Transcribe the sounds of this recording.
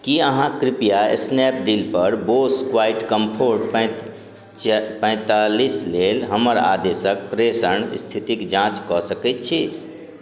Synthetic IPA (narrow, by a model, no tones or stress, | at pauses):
kiəɦãkɾipijaḛsnɛp̚ɖilpəɾboskwaɪʈkəmpʰoɾʈp | pə̃ɪ̃t̪alislelɦəməɾa̰d̪esək̚pɾesəɳ̰st̪ʰit̪ikd͡ʒãt͡ʃkɔsəkɛt̪̚t͡ʃʰi